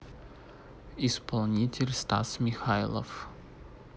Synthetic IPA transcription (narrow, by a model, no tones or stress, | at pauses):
ispʰɔlˠnʲitʲelʲst̪a̰smʲixajlˠɔ̰f